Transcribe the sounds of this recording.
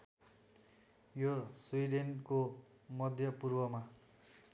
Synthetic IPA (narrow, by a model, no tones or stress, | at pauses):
joswuiɖenko | mʌd̪ʱjʌpurwʌma